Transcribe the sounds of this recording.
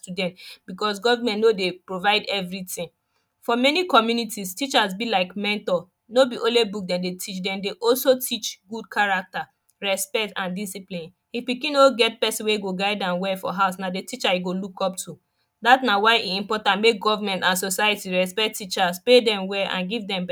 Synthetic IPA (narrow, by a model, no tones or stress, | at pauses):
tudɛ̃ntbikɔs̬ɡɔvamɛ̃ntnodepɹovaɪdɛvɹitĩŋ | fɔmɛnikɔmjunitistit͡ʃasbilaɪkmɛ̃ntɔ | nobiʔõlebuk̚dɛ̃ndetʰit͡ʃdɛ̃mdeʔɔlsotʰit͡ʃɡud̚kʰaɹak̚ta | ɹɛspɛtãndisiplĩn | hipikĩnoɡɛt̚pɛsĩweɡoɡaɪdãnwɛfɔ̰ɦaʊsnadetit͡ʃajiɡolukɔp̚tʰu | datnawaɪʔiĩmpɔtãntmek̚ɡɔvamɛ̃ntãnsosaɪətiɹɛspɛtit͡ʃaspedɛ̃mwɛʔã̰nɡivdɛ̃mb